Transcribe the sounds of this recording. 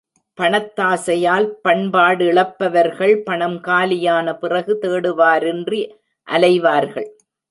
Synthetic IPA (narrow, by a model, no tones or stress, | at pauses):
pɐɳɐt̪ːaːsɐjaːlpɐɳbaːɽɯɪɭɐpːɐʋɐɾɣɐɭpɐɳɐmkaːlɪjaːnɐpɪrɐɣɯt̪eːɽɯʋaːɾɛndri | ʔɐlɐɪʋaːɾɣɐ̰ɭ